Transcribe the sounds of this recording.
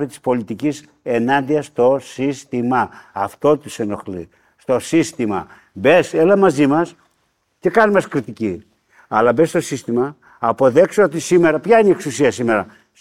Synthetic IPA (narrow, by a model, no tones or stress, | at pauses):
it̪i̥spo̞lit̪icis | e̞nɐnd̪iɐst̪o̞sist̪imɐːft̪o̞t̪useno̞xlḭ | st̪o̞sist̪imɐ | be̞selɐmɐzimɐs | t̪ikɐnimɐskɾit̪ici | ɐlɐbe̞st̪o̞sist̪imɐː | po̞ðe̞ksoot̪isime̞ɾɐpçɐinieksusiɐsime̞ɾɐ